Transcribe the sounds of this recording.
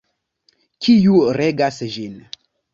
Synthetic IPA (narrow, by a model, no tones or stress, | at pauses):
kʰijuɾeɡasʒin